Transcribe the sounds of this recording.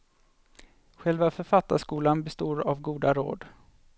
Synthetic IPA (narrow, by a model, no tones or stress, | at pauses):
ɧɛlvafœɾfat̪ːaʂkuːlanbɛst̪oːɾavɡuːd̪aɾo̰ːd̪